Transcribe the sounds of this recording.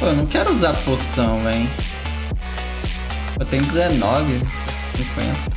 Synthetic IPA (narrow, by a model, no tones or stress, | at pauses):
poewnɐ̃w̃kɛɾʊuzaɾposɐ̃w̃vẽj̃ | et̪ẽj̃ʊ̃kɪzɛnɔvɪ | sĩkwḛ̃nt̪ɐ